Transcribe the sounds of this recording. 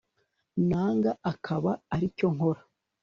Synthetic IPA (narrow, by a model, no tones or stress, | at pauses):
naːŋɡaakʰaβaːɾico̞ŋo̞ɾḁ